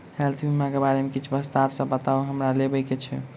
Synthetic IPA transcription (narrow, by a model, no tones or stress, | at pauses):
helt̪ʰbimãkebaɾemekit͡ʃʰbəst̪aɾsəbbət̪auɦəmɾalebəjket͡ʃʰɛ̰